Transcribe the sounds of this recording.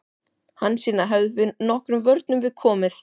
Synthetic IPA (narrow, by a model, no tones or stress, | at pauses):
hanːsiːnaɦœvðʏvɪnɔhkɾʏmvœɾt̪nʏmvɪðkʰɔːmɪθ